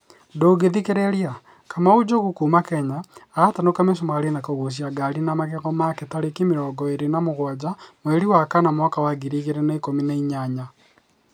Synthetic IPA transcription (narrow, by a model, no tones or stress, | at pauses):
ndoɡeðikeɾɛɾia | kamaud͡ʒoɣukuːmakɛɲaːtanokames̬omaɾenakɔɣos̬iaɡaɾinamaɣɛɣɔmaketaɾekemiɾɔːɡɔeɾenamoɣwad͡ʒamwɛɾiwakanamwakawaɣiɾiɣeɾenaikominaiɲaɲa